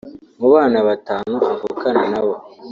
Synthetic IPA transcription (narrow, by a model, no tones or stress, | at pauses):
muβaːnaβataːnuavukananaβo